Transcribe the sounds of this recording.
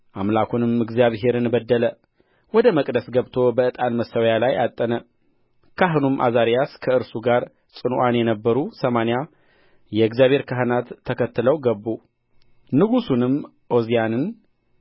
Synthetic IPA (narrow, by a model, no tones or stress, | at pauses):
ʔamlakʰunɨmɨɡzjaβɦe̞ɾɨnbəd̪ːələ | wɔd̪əməkʼd̪əsɡəβt̪ʰo̞bəɨt̪ʼalməsːəwjalajat̪ʼːənə | kʰaɦnumʔa̰zaɾjaskʰəɨɾsuɡaɾ | t͡sʼɨnʔanjɛnəbːəɾusəmanija | jɛɨɡzjaβhe̞ɾkʰaɦɨnat̪ʰːəkʰət̪ːɨləwɡəbːu | nɨɡusunɨm | ʔo̞zijanɨn